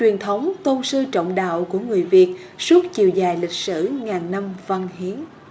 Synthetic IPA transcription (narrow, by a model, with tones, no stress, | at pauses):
t͡ɕwi˨˩ənt̪ʰə˨˦wŋ͡mt̪o˧nsɨ˧t͡ɕə̰˧˨wŋ͡mɗa̰ː˧˨wku˧˩əŋɨ˨˩əjvi˨˩ət̚ | su˦˥t̚t͡ɕḭ˧˨əwzaː˨˩jlï˨˩k̟̚sɨ̰˧˩ŋaː˨˩nna˧mva˧nɦi˨˦ən